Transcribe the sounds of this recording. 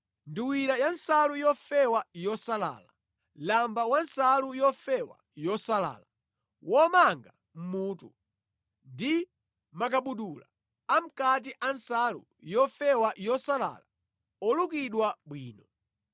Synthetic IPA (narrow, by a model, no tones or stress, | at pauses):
ndiwiɾajansalujɔfɛwajɔsala̰ːla | lambawansalujɔfɛwa̰ | jɔsala̰ːla | wʔɔmaŋɡa | m̩muːtu | ndi | makaɓuɗula̰ | am̩kat̬iʔansalṵ | jɔfɛwajɔsala̰ːla | ɔlukiɗwaɓwiːnɔ